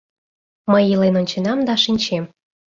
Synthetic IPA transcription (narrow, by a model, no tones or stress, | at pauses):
məjilenonʲt͡ɕenɑmd̪ɑʃinʲt͡ɕem